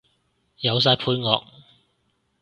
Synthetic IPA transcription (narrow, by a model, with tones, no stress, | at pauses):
jɐ˨˧ws̬aː˧jpʰuː˨˧˥jŋɔː˨˧k̚